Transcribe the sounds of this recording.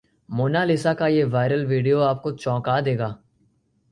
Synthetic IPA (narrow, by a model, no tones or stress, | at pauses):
moːnalɪsakajeʋaːɪɾəlʋiːɖijoaːp̚kot͡ʃɔ̃ːkad̪eːɡaː